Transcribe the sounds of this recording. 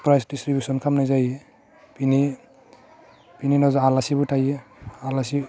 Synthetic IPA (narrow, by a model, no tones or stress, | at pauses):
pɾajsdistɾibjusɔnkʰamnajzaj | pini | pininɔzɔalasibutʰajalasi